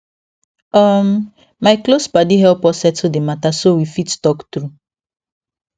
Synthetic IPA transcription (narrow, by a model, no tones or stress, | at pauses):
ɔm̩ | maɪklosbadiɦɛlpɔsɛtodematasowifittɔktɾu